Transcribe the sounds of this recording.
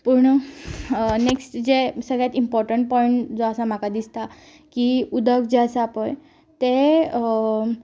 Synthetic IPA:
puɾɳ | neksʈd͡zesəɡɭjat̪impɔɾʈəɳʈ̚pɔiɳʈd͡zɔəsam̤akad̪ist̪a | kiud̪əkd͡zeəsaːpəj | t̪e

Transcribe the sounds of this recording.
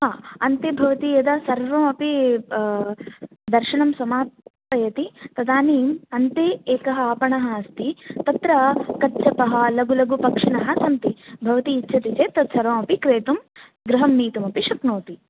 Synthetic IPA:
ɦaːɐnt̪eːbʱɐʋɐt̪ijɐd̪ɐsɐɾʋɐmɐpi | d̪ɐɾʃɐnɐmsɐmaːpɐjɐt̪it̪ɐd̪aːniːmɐnt̪eːeːkɐɦɐaːpɐɳɐɦɐːst̪it̪ɐt̪ɾɐkɐtːt͡ʃɐpɐɦɐlɐɡulɐɡupɐkʂɐɳɐɦɐsɐnt̪ibʱɐʋɐt̪iːtːʃʰɐt̪it͡ʃeːt̪ɐt̪sɐɾʋɐːmɐpikɾeːt̪um | ɡɾɐɦɐmniːt̪umɐpiʃɐkɳoːt̪i

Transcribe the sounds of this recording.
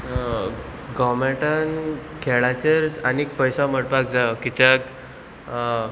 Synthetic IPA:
ɡɔmɛʈankʰɛɭat͡ɕeɾanik̚pəjsaməɽpak̚d͡zakit̪jak

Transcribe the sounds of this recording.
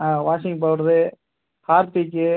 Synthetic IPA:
ãːʋaːʂɪ̃ŋɡp̬aːʋɯɾɐðɯ | kaːɾt̪ikːɯ

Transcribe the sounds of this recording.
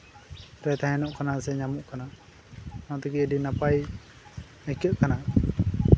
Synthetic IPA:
ɾɛt̪ʰaɦɛnɔʔkanasɛɲamuʔkanaʔ | nat̪əkiədinapaj | əkəʔ̪̚kanaʔ

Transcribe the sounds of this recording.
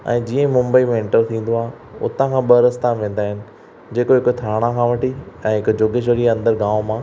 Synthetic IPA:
ɛ̰̃ːd͡ʑiːə̃mʊ̃mbəimẽɪ̃ɳʈəɾt̪ʰĩːn̆d̪oaːe | ʊ̰t̪ãkʰãːɓɐɾɐst̪aʋẽːn̆d̪aːɦɪnɪ̆ | d͡ʑeːkoɦɪkt̪ʰaːɽ̃ãkʰãːʋɐʈiɛ̃ːɦɪkd͡ʑoːɡeʃ̬əɾiɐ̃nd̪əɾɡãːʋmãː

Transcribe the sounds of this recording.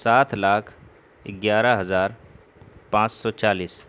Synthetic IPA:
saːt̪ʰlaːkʰ | ɪɡjaːɾəɦəzaːɾ | pãt͡ʃsɔt͡ʃaːliːs

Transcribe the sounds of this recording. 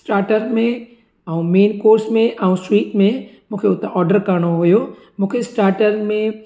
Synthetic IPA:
sʈaːɾʈəɾmẽ | ɛũmeːnkoːɾsmẽʔɛũsʈɾiːʈmẽmũːkʰeʊt̪eʔɔːɾɖəɾkɐɾɽ̃oɦujo | mũːkʰesʈaːɾʈəɾmẽ

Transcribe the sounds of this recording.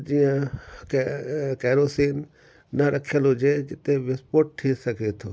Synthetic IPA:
d͡ʒijãkkɛːɾoːsiːnː | ɐɾʔɐkʰjəlɦod͡ʒed͡ʒɪt̪eʋɪspoːʈ̚ʈʰːisɐket̪ʰoː

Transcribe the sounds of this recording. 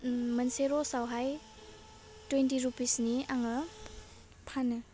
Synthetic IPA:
mənseɾɔsawɦaj | twentiɾupisniaŋə | pʰanɯ

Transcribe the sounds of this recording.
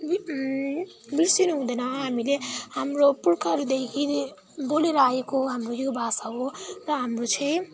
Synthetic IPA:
b | bilsinuɦũd̪ʌjnʌɦamilehamɾopuɾkʰaɾud̪ekʰi | boleɾʌaekoɦamrojobʱasaɦorʌɦamrot͡sʰʌj̃

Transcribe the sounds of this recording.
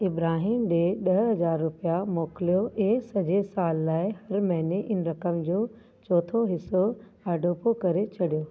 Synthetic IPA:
ɪbɾaːɦiːmd͡ʑeːɗɐɦɦɐzaːɾːʊpijamoːkɪlijoẽːsɐd͡ʑesaːlːaːɪhɐɾmɐɦɪneʔɪnɾɐkəmd͡ʑoː | t͡ɕɔːt̪ʰoɦɪsoaːɖoːpokɐɾet͡ɕʰɐɽijoː

